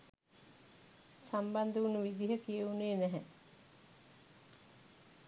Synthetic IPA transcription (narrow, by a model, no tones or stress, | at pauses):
samband̪əunəʋid̪iɦəkijeuneːnæɦɛ